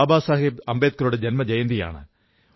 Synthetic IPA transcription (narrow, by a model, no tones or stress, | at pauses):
baːsaːɦibɐmbeːt̪̚kɐɾuɽed͡ʑenmɐd͡ʑɐjɐnd̪ija̰ːɳɨ̰